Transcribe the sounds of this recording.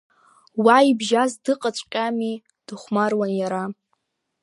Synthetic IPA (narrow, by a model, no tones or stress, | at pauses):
waibʒazdɨqʼat͡ɕʷʼqʲʼami | d̥ɨχʷmarwanjaɾa